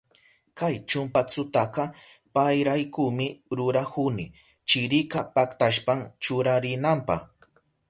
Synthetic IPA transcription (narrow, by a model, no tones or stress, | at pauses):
kajt͡ʃʊmpat͡sʊt̪akɑ | pajɾajkumɪɾʊɾakʊnɪ | t͡ʃɪɾɪkapakt̪aʃpamt͡ʃʊɾaɾɪnampɑ̰χ